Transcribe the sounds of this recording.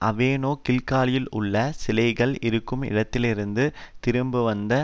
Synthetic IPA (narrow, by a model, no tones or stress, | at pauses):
ʔɐʋeːnoːkɪlkaːlɪjɪlʊ̰ɭːɐsɪlɐɪɣɐɭɪɾɯkːɯmɪ̰ɽɐt̪ːɪlɪɾɯnd̪ɯt̪ɪɾɯmbɯʋɐnd̪ɐ